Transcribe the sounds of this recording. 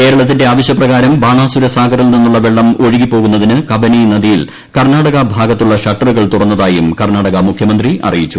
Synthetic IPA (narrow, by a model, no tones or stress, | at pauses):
ke̞ːɾɐɭɐt̪̬ːinde̞aːʋɐɕjɐprɐɣaːɾɐmbaːɳaːsuɾɐsaːɡɐɾɐlninːuɭːɐʋe̞ɭːɐmo̞ɻiɣipːo̞ːɣunːɐðinɨkɐbɐnijnɐðijil | kɐrnaːɽɐɣɐbʱaːɡɐt̪ːuɭːɐɕɐʈːɐruɣɐɭt̪urɐnːɐðaːjumkɐrnaːɽɐɣɐmukʰjɐmɐnd̪riʔɐ̰rijit͡ɕːu